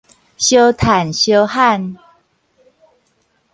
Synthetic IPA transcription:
ɕjo˦t̪ʰa˨˩nɕjo˦ʊha˥˨n

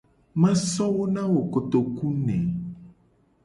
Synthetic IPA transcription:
mã˦sɔ˦wo˦nã˦wo˨ko˨t̪o˨ku˦nɛ̰̃˨

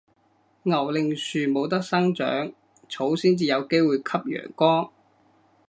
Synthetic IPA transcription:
ŋɐ˨˩wlɪ˨˧ŋsyː˨mo˨˧wt̪̬ɐ˥k̚sɐ˥ŋt͡ʃœ̰ː˨˥ŋ | t͡sʰo˨˥wsiː˥nt͡siː˨˧jɐ˨˧wke˥jwuː˨jkʰɐ˥p̚jœ̰ː˨˩ŋkɔː˥ŋ

